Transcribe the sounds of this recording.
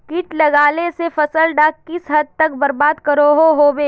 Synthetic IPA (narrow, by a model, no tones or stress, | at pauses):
kɪʈlɐɡaːlesefɐsəlɖaːkkːɪsɦɐd̪̚t̪ɐkbɐɾbaːd̪kɐɾoɦoɦoːbeː